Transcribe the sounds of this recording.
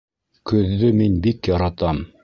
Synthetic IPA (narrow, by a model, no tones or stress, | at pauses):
kɵ̆ðːɵminbikjɑɾɑt̪ɑm